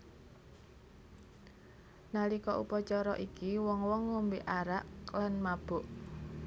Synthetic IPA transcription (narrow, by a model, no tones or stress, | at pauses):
nalikɔʔṵpɔt͡ʃɔɾɔʔikiwɔŋwɔŋːombeʔaɾaʔlanmab̥ʊʔ